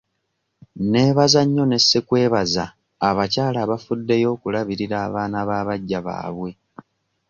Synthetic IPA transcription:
ne̞ːβazaɲːo̞ne̞sːekwe̞ːβazaː | βacaːlaːβafudːe̞jo̞ːkulaβiɾiɾaːβaːnaβaːβaɟːaβa̰ːβwe̞

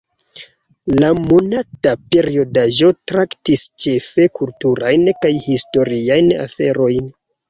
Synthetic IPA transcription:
lamo̞natape̞ɾio̞daʒo̞tɾaktist͡ʃe̞fe̞kultuɾajnkajhisto̞ɾiajna̰fe̞ɾo̞jn

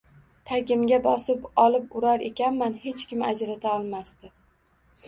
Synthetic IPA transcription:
t̪ʰakʲɪmɡʲabɒsɪpɒlˠɪpʊɾaɾe̞kʲʰanmanhe̞t͡ʃkʲɪmad͡ʒɾat̪ʰaɒlˠmast̪ɪ

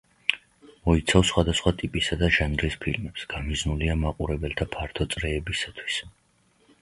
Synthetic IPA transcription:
mɔit̪sʰafsχwad̪asχwat̪ʼipʼisad̪aʒanɾispʰḭlmɛpsɡ̥amiznuliamaqʼuɾɛbɛlt̪ʰapʰaɾt̪ʰɔt̪sʼɾɛːbisat̪ʰwi̥s

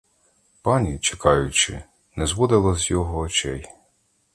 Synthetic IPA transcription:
pɑnʲit͡ʃekɑjʊt͡ʃɪ̰ | nɛzʋɔd̪ɪlˠɐzjɔɦɔːt͡ʃɛj

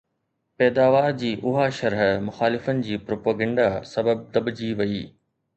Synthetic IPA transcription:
pɛːd̪aːʋaːɾd͡ʑiːʔʊɦaʃɐɾɦəmʊxaːlɪfənɪ̆d͡ʑiːpɾoːpaːɡɐ̃ɳɖasɐbəb̚d̪ɐɓd͡ʑiːʋɐiː

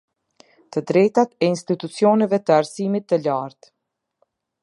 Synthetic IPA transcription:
t̪əd̪ɾɛjt̪at̪ɛinst̪it̪ut͡siɔnɛvɛt̪əaɾsimit̪ːəlaɾt̪

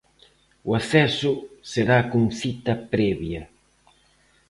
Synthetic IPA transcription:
uaθɛsʊseɾakoŋθit̪ɐpɾɛβjɐ

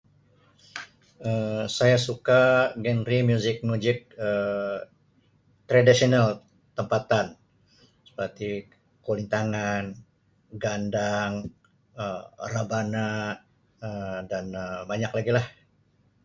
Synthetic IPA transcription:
əsajasukaɡɛnɾimjuzɪk̚mud͡ʒɪk̚ə | t̪ɾadisional | t̪əmpat̪an | sə̥pərt̪i | koliŋt̪aŋan | ɡandaŋ | ərabana | ədanəbaɲaklaɡilah

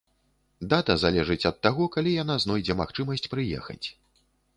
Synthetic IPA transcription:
d̪at̪ɐzalʲɛʐɨt͡sʲɐt̪ːaɣɔkalʲijan̪aznɔjd͡zʲɛmaxt͡ʂɨmɐsʲt͡sʲpɾɨjɛ̰xɐ̰t͡sʲ

